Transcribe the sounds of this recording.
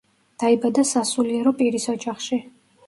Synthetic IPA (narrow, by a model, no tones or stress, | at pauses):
d̪̥aibad̪asasuliɛɾɔpʼiɾisɔd͡ʒaχʃi